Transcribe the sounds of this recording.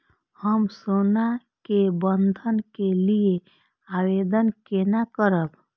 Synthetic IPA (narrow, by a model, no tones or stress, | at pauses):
həmsona | kebənd̪ʱənkelie | awed̪ənkenakəɾəb